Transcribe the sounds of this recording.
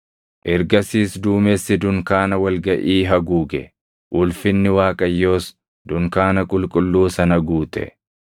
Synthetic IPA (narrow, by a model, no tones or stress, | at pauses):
ʔɛɾɡɐsiːsd̪uːmesːɪd̪ʊŋkaːnɐwɐlɡɐʔiːɦɐɡuːɡɛ | ʔʊlfɪnːɪwaːkʼɐjːo̞ːs | d̪ʊŋkaːnɐkʼʊlkʼʊlːuːsɐnɐɡuːt̪ʼɛ̰